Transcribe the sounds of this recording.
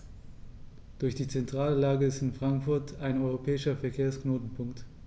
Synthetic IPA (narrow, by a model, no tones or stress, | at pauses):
d̥ʊɐçd̥iːt͡sɛntʁ̥aːləlaːɡəɪstɪnfʁ̥aŋkfʊɐtʰaɪnɔʏʁopʰɛːɪʃɐfɛɐkʰeːɐsknoːtn̩pʰʊŋkt